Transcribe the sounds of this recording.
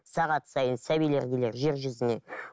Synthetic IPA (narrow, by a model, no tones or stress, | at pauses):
sɑʁɑt̪sɑjənsæbijle̞ɾɡ̪ʲeleɾʒe̞ɾʒʏzɪne̞